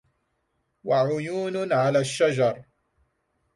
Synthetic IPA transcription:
waʕʊjuːnnʕalaːʃːad͡ʒɑɾˤ

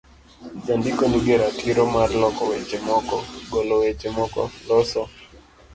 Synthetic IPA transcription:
d͡ʒandɪkɔniɡɛɾatiɾɔmarlɔkɔwɛt͡ʃɛmɔkɔɡɔlɔwɛt͡ʃemɔkɔ̰lɔsɔ

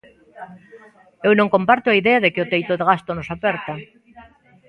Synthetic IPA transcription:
ewnõŋkompaɾt̪oaiðeaðekɪot̪ejt̪oðeɣ̞ast̪onosapɛɾt̪a

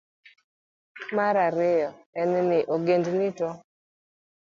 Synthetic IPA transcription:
maɾaɾɪjɔɛnɛnɪʔoɡendnɪtɔ

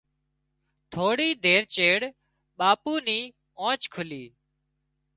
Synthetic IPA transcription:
t̪ʰoːɽiːd̪eːɾt͡ʃeːɽ | ɓaːpuːniː | ãːt͡ʃkʰʊliː

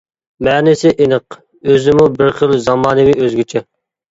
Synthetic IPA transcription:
mɛːnɪsɪʔenəq | øzɪmubɪɾχəlzɑmɑːnɨmɪʔøzɡʲit͡ʃʰɛ

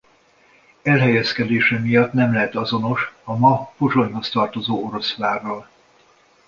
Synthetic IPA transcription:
ɛlɦɛjɛskɛd̪eːʃɛmijɒt̪nɛmlɛɦɛt̪ɒzo̞no̞ʃɒmɒfoʒo̞ɲɦo̞st̪ɒrt̪o̞zoːoɾo̞sʋaːrɒl

